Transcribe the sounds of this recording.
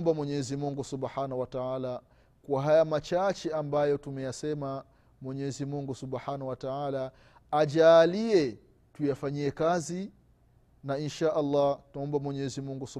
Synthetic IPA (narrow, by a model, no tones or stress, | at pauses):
mbamwɛɲɛzimuŋɡusubħanahwataaːla | kuwaɦajamat͡ʃat͡ʃɛambajɔtumɛjasɛma | mwɛɲɛzimuŋɡusubħanauwataaːla | ad͡ʒaːliɛ | tujafaɲiɛkazi | nainʃaːʔɑlːɑtaɔmbamwɛɲɛzimuŋɡusu